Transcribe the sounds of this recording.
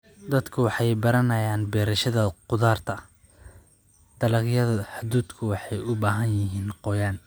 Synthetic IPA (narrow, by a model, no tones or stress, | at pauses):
d̪ɐd̪kʰʊwɑħɑjbɐɾɐnɐjaːnbɛːɾɐʃɐðɐqʊðaːrt̪ʰɐ | d̪̥ɐlɐɣjɐðɐħʊd̪uːd̪kʰʊwɑħɑjʊbaːɦɐnjɪɦiːnqɔːjaːn